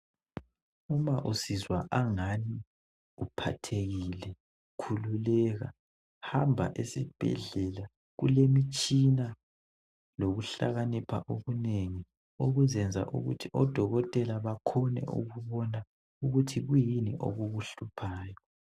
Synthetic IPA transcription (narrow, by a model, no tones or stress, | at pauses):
umaʔusizwa̰ʔaŋani | upʰa̰tʰeɣilɛ | kʰululɛɣa̰ | hambʱa̰ʔesib̥ʱɛ̰ɮɛla | ɣṵlemit͡ʃʼina | loɣuɬa̰ɣanipʰa̰ʔoɣuneŋi | oɣuzɛnd͡zʱa̰ʔṵɣṵtʰiʔɔd̥ʱɔɣɔtʼɛlaβakʰɔnɛ̰ṵɣuβɔna | uɣutʰiɣujiniʔo̰ɣuɣuɬupʰaːjɔ